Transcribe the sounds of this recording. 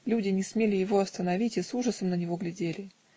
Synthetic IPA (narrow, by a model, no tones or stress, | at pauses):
lʲudʲɪnʲɪsmʲelʲɪjɪvo̞ɐst̪ənɐvʲitʲisuʐəsəmnənʲɪvo̞ɡlʲɪdʲelʲɪ